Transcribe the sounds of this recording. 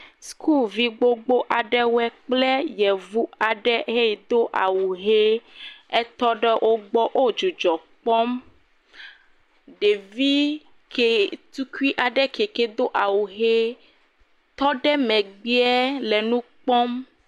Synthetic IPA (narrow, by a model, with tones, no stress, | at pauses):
skʰu˦˨lvi˦ɡ͡bo˦ɡ͡bo˦ʔa˨ɖɛ˦wɛ˦k͡ple˦jɛ˨vu˦a˨ɖɛ˦ɦe˦˨d̪o˦ʔa̰˨wu˨ɦe˦ɛ˦t̪ɔ˦ɖɛ˦ʔo˦ɡ͡bɔ˦ʔo˦d͡ʒu˨d͡ʒɔ˨k͡pɔ˦m | ɖe˨vi˦ | ke˨t̪u˦ki˦ʔa˨ɖɛ˦ke˨ke˨d̪o˦ʔa˨wu˨ɦe˦ | t̪ɔ˦ɖɛ˦mɛ̃˨ɡ͡bi˦ɛ˦lɛ˨nũ˦k͡pɔ˦m